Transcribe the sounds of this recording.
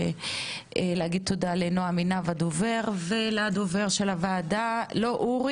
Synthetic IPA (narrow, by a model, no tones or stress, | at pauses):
eleaɡid̪̚t̪ʰodalenoaminavad̪oveʁvelad̪oveʁʃelavaːdalo̞ʔuʁ